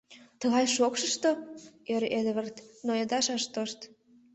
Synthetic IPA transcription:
t̪əɣɑjʃokʃəʃt̪oeɾed̪βərt̪nojɑd̪ɑʃɑʃt̪oʃt̪

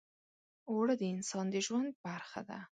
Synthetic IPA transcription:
oɽəd̪əɪnsɑnd̪əʒwand̪̚baɾxa̰d̪a̰

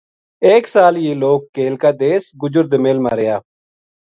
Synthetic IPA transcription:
eːksaːljeːloːkːeːlkaːd̪eːsɡʊd͡ʒʊɾd̪meːlma̰ːɾeːjaː

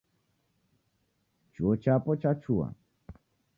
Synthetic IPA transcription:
t͡ʃot͡ʃapɔt͡ʃat͡ʃʰua̰

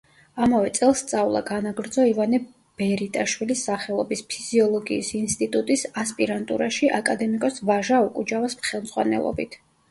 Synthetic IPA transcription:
amavɛt̪sʼɛlˠst̪sʼavlˠa̰ɡanaɡɾd̪zɔivanɛ | b̥ɛɾit̪ʼaʃwilisːaχɛlˠɔbispʰiz̥iɔlˠɔɡiːsinst̪ʼit̪ʼut̪ʼisaspʼiɾant̪ʼṵɾaʃiʔakʼad̪ɛmikʼɔsvaʒaɔkʼud͡ʒavasmχɛlˠmzʁwa̰nɛ̰lˠɔ̰bit̪ʰ

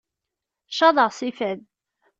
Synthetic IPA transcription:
ʃɑðˤəʁsifæð

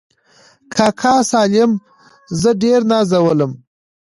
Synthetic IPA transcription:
kʰɑkʰɑsɑlɪm | zəɖeɾnɑzawələm

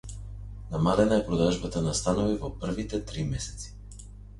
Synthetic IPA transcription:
namalɛnaɛpɾɔd̪aʒbat̪anast̪anovivɔpr̩vit̪ɛt̪ɾimɛsɛ̥t̪si̥

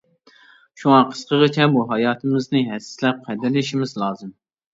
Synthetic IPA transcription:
ʃuŋɑqʰə̥sqʰəʁət͡ʃʰɛbuɦɑjɑːt̪ʰɨmɨznɨɦɛsɪ̥slɛp̚qʰɛd̪ɪɾlɪʃimɪzlˠɑːzɨm

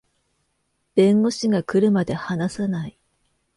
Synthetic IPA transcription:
b̥ẽ̞ŋɡo̞ɕiɡakɯ̟ɾɯ̟mad̪e̞hanasanai

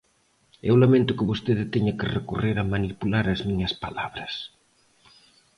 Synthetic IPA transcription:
ewlamẽnt̪ʊkɪβost̪eðɪt̪ɛɲɐkɪrekureɾɐmanipulaɾɐzmiɲɐspala̰βɾɐs

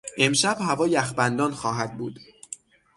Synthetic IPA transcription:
ʔe̞mʃæbhævɒːjæxbænd̪ɒːnxɒːɦæd̪̚buːd̪̥

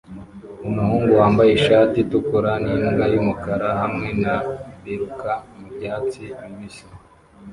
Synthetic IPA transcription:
umuhuːŋɡuhaːmbajeʃaːtitukuɾaniŋɡajumukaɾaɦamŋe̞naβiɾukʰamubɟaːt͡simiβisi̥

